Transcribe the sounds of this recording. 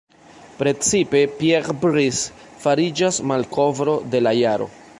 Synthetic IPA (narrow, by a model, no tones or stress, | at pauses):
pɾe̞t͡sipe̞pieɾbɾis | faɾid͡ʒasmalkʰo̞vɾo̞de̞lajaɾo̞̰